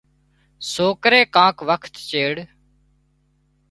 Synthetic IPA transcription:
soːkɾeːkãːkʋəkʰt̪t͡ʃeːɽ

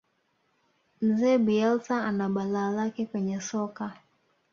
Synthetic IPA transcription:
m̩zɛːɓiɛlsaanaɓalaːlakɛkwɛɲɛsɔka

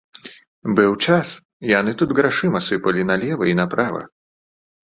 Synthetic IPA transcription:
bɨwt͡ʂas | ijanɨt̪ud̪ɣɾaʂɨmɐsɨpɐlʲinɐlʲɛvɐinɐpɾavɐ̰

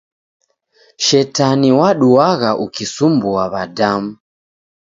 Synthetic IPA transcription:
ʃɛtaniwaɗuaɣaʔukisumbuaβadam̩

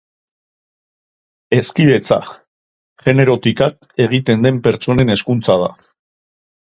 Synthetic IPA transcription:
e̞skiðe̞t͡sa̰ | ʝe̞ne̞ɾo̞t̪ikak̚ | e̞ɣ̞it̪e̞nd̪e̞mpe̞ɾt͡ʃo̞ne̞ne̞skunt͡sað̞a̰

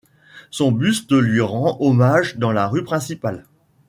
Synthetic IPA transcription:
sɔ̃byst̪əlɥiʁɑ̃ɔmaʒd̪ɑ̃laʁypχɛ̃sipal

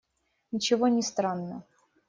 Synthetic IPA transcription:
nʲɪt͡ɕɪvonʲɪst̪ɾanːə

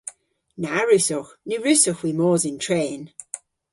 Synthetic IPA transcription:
naɹʉsɔxnyɹʉsɔxwimɔːzɪntʰɹeːn

